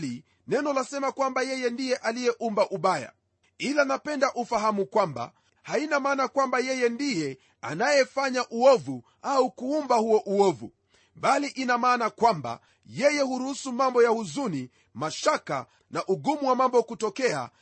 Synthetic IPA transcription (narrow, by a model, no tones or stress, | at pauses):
li | nɛnɔlasɛmakwambajɛjɛndijɛʔalijɛʔumbaʔuɓaja̰ | ilanapɛndaʔufahamukwamba̰ | hainamaːnakwambajɛjɛndijɛ | a̰najɛfaɲaʔuɔvu | aukuumbahuɔʔuɔvṵ | ɓaliʔinamaːnakwamba̰ | jɛjɛhuɾuhusumambɔjahuzuni | maʃaka̰ | naʔuɡumuwamambɔkutɔkɛa̰